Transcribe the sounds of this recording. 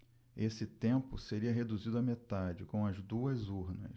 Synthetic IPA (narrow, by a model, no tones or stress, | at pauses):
esɪt̪ẽmpʊseɾiɐɦed̪uzid̪ʊɐmet̪ad͡ʒɪkõw̃ɐzd̪uɐzuɾnɐ̰ʃ